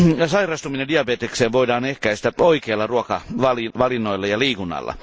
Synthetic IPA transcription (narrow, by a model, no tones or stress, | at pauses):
jɑsɑirɑst̪uminendiɑbeːt̪ekseːʋʋoidɑːnehkæist̪æoikeːlːɑruokɑʋɑliʋɑlinːoilːɑjɑliːkunːɑ̰lːɑ̰